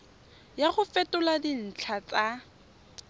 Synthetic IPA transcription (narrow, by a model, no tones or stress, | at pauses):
jaχʊfɛtʊladin̩t͡ɬʰat͡sʼa